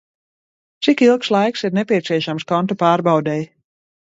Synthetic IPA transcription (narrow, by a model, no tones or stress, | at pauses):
t̪sikilˠkslˠajksiɾnɛpʲiɛt̪siɛʃamskɔnt̪ɔpaːɾbawd̪ɛj